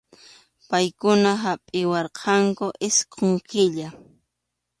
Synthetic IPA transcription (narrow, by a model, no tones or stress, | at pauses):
pajkʊnaɦapʼɪwɑɾqʰɑŋkʊʔɪsqʰoŋkɪʎa